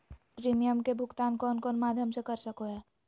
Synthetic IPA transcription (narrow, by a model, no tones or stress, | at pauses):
pɾiːmijəmkebʱʊɡt̪aːnkɔːnkɔːnmaːd̪ʱjəmsekɐɾsɐkoɦɛː